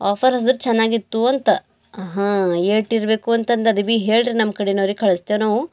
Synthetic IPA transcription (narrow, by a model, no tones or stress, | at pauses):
aːpʰɐɾɦɐsɐɾt͡ʃɛnːaːɡit̪ːuɐnt̪ɐ | ɦãeːʈiɾbe̞ːkuɐnt̪ɐnd̪ɐd̪ibiːɦe̞ːɭɾinɐmːkɐɽenoːɾikʰɐɭɐst̪eʋnaːʋu